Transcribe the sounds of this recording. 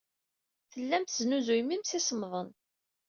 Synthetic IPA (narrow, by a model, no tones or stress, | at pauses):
θəlːæmθəznuzujmimsisəmðˤən